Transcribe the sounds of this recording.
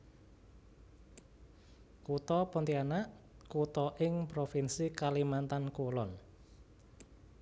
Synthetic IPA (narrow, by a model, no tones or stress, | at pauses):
kut̪ɔpɔnt̪ianaʔkut̪ɔʔɪŋpɾofinsikalimant̪ankolɔn